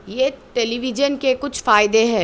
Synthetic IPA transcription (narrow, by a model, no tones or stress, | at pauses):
jeʈɛliʋɪd͡ʒənkekʊt͡ʃʰfaːɪd̪eɦɛː